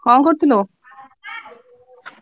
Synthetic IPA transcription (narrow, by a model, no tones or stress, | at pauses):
kʰɔŋkoɾt̪ʰilo